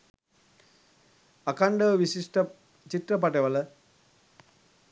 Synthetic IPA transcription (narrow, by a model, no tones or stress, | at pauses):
ɐkɐɳɖɐʋisiʂʈɐ | t͡ɕiʈrɐpɐʈeʋɐlɐ